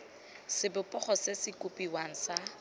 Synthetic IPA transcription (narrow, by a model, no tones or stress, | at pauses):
sɪbʊpʼɔχɔsesɪkʼupʼiwaŋ̩sa